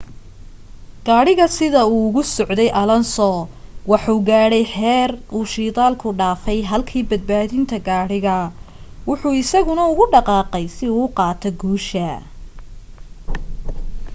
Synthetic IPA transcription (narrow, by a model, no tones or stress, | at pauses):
ɡ̥aːɽɪɣɐsɪðɐuːɣʊsɔʕd̪ɛjʔɐlɔnsɔwɑħuːɡaːɽɛjħɛːruːʃiːt̪aːlkʰʊɖaːfɛjɦɐlkʰiːbɐd̪̚baːðɪnt̪ʰɐɡaːɽɪɣɐ | wʊħuːɪsɐɣʊnɐʊɣʊɖɑqɑːqɛjsɪuqɑːt̪ʰɔɡuːʃɐ